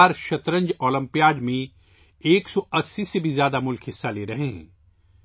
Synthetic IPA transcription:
ɾʃɐt̪ɾə̃ɲd͡ʒɔːlə̃mpijaːd͡ʒmẽ | eːksɔɐsːiːsebʱizjaːd̪amʊlkʰɦɪsːaleːɾɐɦeɦɛ̰̃ː

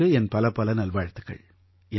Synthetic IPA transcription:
ɯɛnpɐlɐpɐlɐnɐlʋaːɻt̪ːɯɣɐ̰ɭ | ɛ

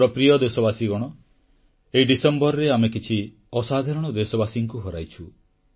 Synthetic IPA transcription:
ɾɔpɾijɔd̪esɔbasiɡɔɽ̃ɔ | eiɖisembɔɾɔɾeamekit͡ʃʰi | ɔsad̪ʱaɾɔɽ̃ɔd̪esɔbasiŋkuɦɔɾa̰jt͡ʃʰu

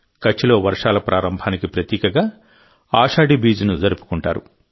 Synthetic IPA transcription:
kɐt͡ʃːilo̞ːʋɐɾʂaːlɐpɾʔaːɾɐmbʱaːnikipɾɐt̪iːkɐɡaː | aːʂaːɽibiːd͡ʒunuzɐɾupu̥kuɳʈaːɾu

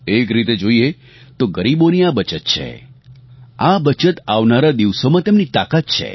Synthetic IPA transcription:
ekɾit̪ed͡ʒoie | t̪oɡəɾiboniabət͡ʃət̪̚t͡ʃʰḛ | abət͡ʃət̪aʋnaɾad̪iʋsomãt̪emnit̪akat̪̚t͡ʃʰḛ

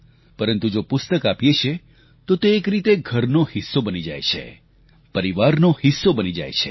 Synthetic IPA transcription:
pəɾənt̪ud͡ʒopʊst̪əkapjet͡ʃʰe | t̪ot̪eːkɾit̪eɡʱəɾnohɪsːobənid͡ʒa̰jt͡ʃʰḛ | pəɾiʋaɾnohɪsːobənid͡ʒa̰jt͡ʃʰe̥

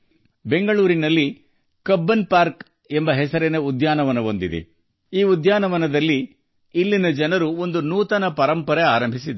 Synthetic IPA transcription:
be̞ŋɡɐɭuːɾinɐlːi | kɐbːɐnpaːɾk | embɐɦɛsɐɾeneud̪jaːnɐʋɐnɐʋo̞nd̪id̪ḛ | iːud̪jaːnɐʋɐnɐd̪ɐlːiː | lːinɐd͡ʒɐnɐɾuo̞nd̪unuːt̪ɐnɐpɐɾɐmpɐɾeaːɾɐmbʱisid̪

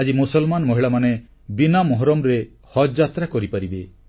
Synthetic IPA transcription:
ad͡ʒimusɔlmanɔmɔɦiɭamane | binamɔɦɾɔmɾe | hɔd͡ʒat̪ɾakɔɾipaɾibe

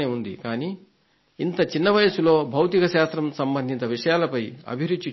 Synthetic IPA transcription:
eːund̪ḭkaːniː | nt̪ɐt͡ʃinːɐʋɐjɐsulo̞ːbʱɐwt̪ikɐʃaːst̪ɾɐmsɐmbɐnd̪ʱint̪ɐʋiʂɐjaːlɐpɐjɐ̰bʱiɾud̪ːt͡ʃːi

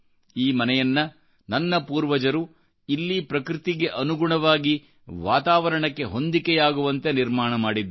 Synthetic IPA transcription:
iːmɐnɛjɐnːɐ | nɐnːɐpuːɾʋɐd͡ʒɐɾu | ilːipɾɐkɾit̪iɡe̞ʔɐnuɡuɳɐʋaːɡi | ʋaːt̪aːʋɐɾɐɳɐkːe̞ɦond̪ikejaːɡuʋɐnt̪e̞niɾmaːɳɐmaːɽid̪ːu

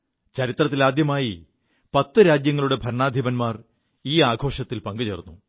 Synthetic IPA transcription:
t͡ɕɐɾit̪rɐt̪̬ːilaːd̪jɐmaːji | pɐt̪ːɨɾaːd͡ʑjɐŋːɐɭuɽe̞bʱɐɾɳaːd̪ʱibɐnmaːr | iːaːɡʱo̞ːʂɐt̪ːilpɐŋɡɨt͡ɕeːrnːu

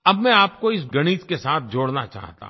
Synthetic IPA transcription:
ɐbmɛ̃aːp̚koɪsɡɐɽ̃iːt̪kesaːt̪̚ʰd͡ʒoːɽnat͡ʃa̰ːɦt̪ã̰ː

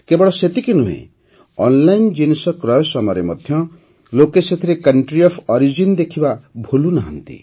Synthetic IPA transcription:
kebɔɭɔset̪ikinuɦḛ̃ | ɔnlajnd͡ʒinesɔkɾɔjɔsɔmɔɾemɔd̪ʱjɔ | lokeset̪ʰiɾekɐɳʈɾiɔpʰɔɾid͡ʒind̪ekʰibabʱulunaɦʌnt̪ḭ

